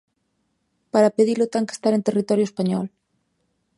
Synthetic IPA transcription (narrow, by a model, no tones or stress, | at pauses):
paɾapeðilot̪aŋke̥st̪aɾent̪erit̪ɔɾjoespaɲɔl